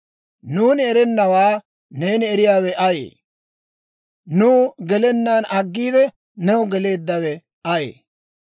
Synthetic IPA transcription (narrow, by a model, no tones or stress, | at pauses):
nuːnɪɛɾɛnːɐwaː | ne̞ːnɪɛɾɪjaːwɛʔɐjḛː | nuːɡɛlɛnːaːnɐɡːiːd̪ɛ | nɛwɔɡɛle̞ːd̪ːɐwɛ | ɐjḛː